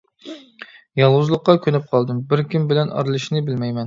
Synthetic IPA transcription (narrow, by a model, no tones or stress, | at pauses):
jɑlˠʁʊzlˠəqːɑkʲʰønɪp̚qʰɑlˠd̪ɨmbɪɾkʲimbɪlɛnɑ̰ɾlˠɨʃnɨbɪlmɛjmɛn